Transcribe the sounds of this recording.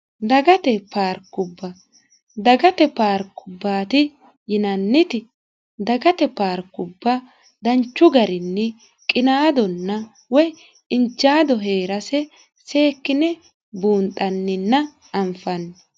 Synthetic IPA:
d̪ɐɡɐt̪ɛpaːɾkːʊbːɐ | d̪ɐɡɐt̪ɛpaːɾkːʊbːaːt̪ɪ | jɪnɐnːɪt̪ɪ | d̪ɐɡɐt̪ɛpaːɾkːʊbːɐ | d̪ɐnt͡ʃːʊɡɐɾɪnːɛ | kʼɪnaːd̪ɔnːɐ | wɔj | ɪnt͡ʃːaːd̪ɔɦe̞ːɾɐsɛ | se̞ːkːɪnɛ | buːnt̪ʼːɐnːɪnːɐ | ɐmfɐnː

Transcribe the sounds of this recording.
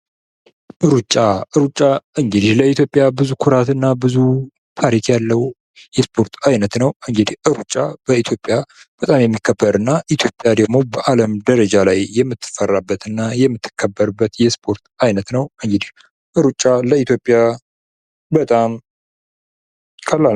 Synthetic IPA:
ʔɨɾut͡ʃʼːaʔɨɾut͡ʃʼːaʔɨŋɡɨd̪ihləit̪ʰjo̞pʼːjabɨzukʰʊɾat̪ɨnːabɨzu | t̪ʰaɾikʰjalːəwu | jɛspʰo̞ɾt̪ʰajnət̪nəwɨŋɡɨd̪ihʔɨɾut͡ʃʼːab̥əit̪ʰjo̞pʼja | b̥ət̪ʼamjɛmːikʰːəbːəɾɨnːaʔit̪ʰjo̞pʼjad̪əɡmo̞bəʔaləmd̪əɾəd͡ʒalajːɛmːɨt̪ʰːɨ̥fərːabːət̪ɨnːajɛmːɨt̪ʰːɨ̥kʰːəbːəɾbːət̪jɛspʰo̞ɾt̪ajnət̪nəwɨŋɡɨd̪ih | ʔɨɾut͡ʃʼːaləit̪ʰjo̞pʼja | bət̪ʼam | kʰəlːa

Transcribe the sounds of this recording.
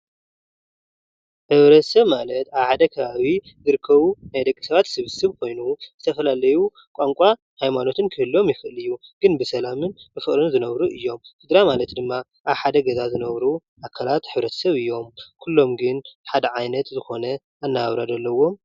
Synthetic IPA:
ħɨβɾɐt̪ʰɐ̥sɐβmalɐt̪aβħad̪ɐkʰɐβaβi | zɨɾɨkʰːɐβunajd̪ɐkʼːi̥sɐβat̪sɨβɨsɨβkʰo̞jnuzɨt̪ʰɐfɐlalɐju | kʷʼaŋkʷʼa | hajmano̞t̪ʰɨnkʰɨhɨlːo̞mjɪxɨʔlɨjːuɡ̥ɨnbɨsɐlamɨnbɨfɨχʼɾɨnzɨnɐβɾuʔɨjːo̞mfid̪ɾamalɐt̪d̪ɨmːa | ʔaβħad̪ɐɡɐzazɨnɐβɾuʔakʰːalat̪ħɨβɾɐt̪ʰɐ̥sɐβɨjːo̞mkʰulːo̞mɡɨnħad̪ɐʕajnɐt̪zɨxo̞nɐ | anːaβɾad̪ɐlːɐwo̞m

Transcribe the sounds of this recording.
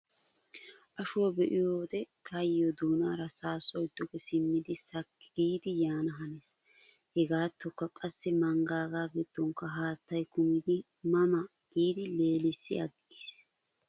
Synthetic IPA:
ʔɐʃʊwɐbɛʔɪjoːd̪ɛt̪ʰɐjːɔd̪uːnaːɾɐsaːsɔjɪd̪ːɔɡɛsɪmːɪd̪ɪsɐkːɡiːd̪ɪjaːnɐɦɐnes | hɛɡaːt̪ʰːɔkːɐkʼɐsːɛmɐŋɡaːɡaːɡɪd̪̥ːɔŋkːɐɦaːt̪ːɐjkʊmɪd̪ɪ | mɐmɐ | ɡ̥iːd̪ɪle̞ːlɪsːɪɐɡɪʔis

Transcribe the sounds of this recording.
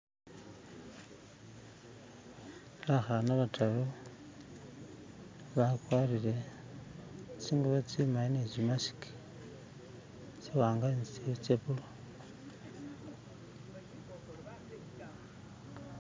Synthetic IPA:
laxanaβatʰalo | βakwarile̞ | t͡siŋɡuβat͡simainezimasi̥ki̥ | t͡siwaːŋɡanit͡set͡sepulo

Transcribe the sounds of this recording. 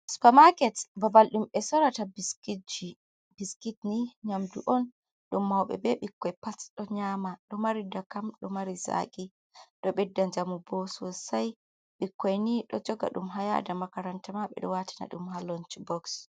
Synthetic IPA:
su̥pamakɛtbabalɗumɛsɔɾatabiskid͡ʒi | biskitniɲamduʔɔn | ɗumːawɓɛ̰bɛɓikːɔjpasɗɔɲaːmaɗɔmaɾidakamɗɔmaɾiza̰kʼi | ɗɔɓɛdːaɲd͡ʒamubɔsɔsaj | ɓikːɔjniɗɔd͡ʒɔɡa̰ɗumɦaja̰damakaɾantamaɓɛ̰ɗɔ̰watʰi̥na̰ɗumɦalɔnt͡ʃbɔks

